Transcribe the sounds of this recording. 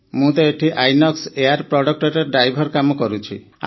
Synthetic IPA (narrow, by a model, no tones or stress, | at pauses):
mũt̪ɔeʈʰiʔajnɔkseaɾpɾɔɽɔk̚ʈɔɾeɖɾajbʱɔɾkamɔkɔɾut͡ʃʰḭ